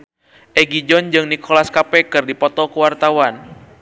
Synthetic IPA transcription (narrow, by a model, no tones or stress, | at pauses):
ʔɛɡid͡ʒɔnd͡ʒɨŋnikʰɔlaskapɛkɨrdipɔt̪ɔkuwart̪awan